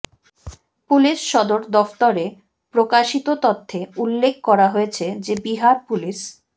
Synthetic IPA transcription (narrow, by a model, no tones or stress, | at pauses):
puliʃʃɔd̪oɾd̪ɔft̪oɾe | pɾokaʃit̪ot̪ot̪ʰːeulːek̚ʰkɔɾaɦojet͡ɕʰed͡ʑebiɦaɾpuliʃ